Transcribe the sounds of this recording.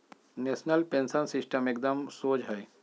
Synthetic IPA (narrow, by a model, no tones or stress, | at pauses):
neːsnəlpẽːnsənsɪsʈəmek̚d̪əmsoːd͡ʒɦɛː